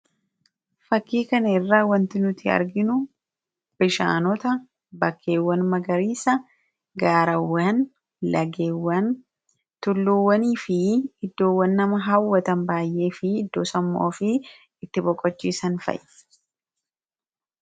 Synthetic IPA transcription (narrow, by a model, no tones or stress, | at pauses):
fɐkːiːkɐnɐɪrːaːwɐnt̪ɪnʊt̪ːɪɐ̰ɾɡɪnʊ | b̥ɪʃa̰ːnɔt̪ɐ | bɐkʰːe̞ːwːɐnmɐɡɐɾiːsɐ | ɡaːɾɐwːɐn | lɐɡeːwːɐn | t̪ʊlːuwːɐniːfɪɪd̪ːo̞ːwːɐnːɐmɐɦɐwːɐt̪ɐnbaːjʔe̞ːfɪɪd̪ːoːsɐmːo̰ːfɪ | ɪt̪ːɪbɔkʼːɔt͡ʃːiːsɐnfɐ̰j